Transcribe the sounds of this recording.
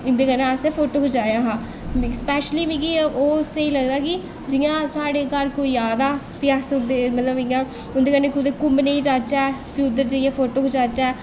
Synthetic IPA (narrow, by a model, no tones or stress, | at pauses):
ɪ̃nd̪eːkənãəsepʰoːʈoːɦoːd͡ʒaːjaːɦaː | mspɛːʃliːmĩːkioːseiːləɡd̪aːkɪ | d͡ʒɪjãːsaːɽeːkəɾkoːijaːd̪aː | pɪjaːsʊnd̪emət̪ləbɪjãː | ʊnd̪eːkəɾneːkʊd̪eːkʊmneiːd͡ʒaːt͡ʃaɛːpuːd̪əɾd͡ʒeɪjãːpʰoːʈoːɦoːd͡ʒaːt͡ʃaɛː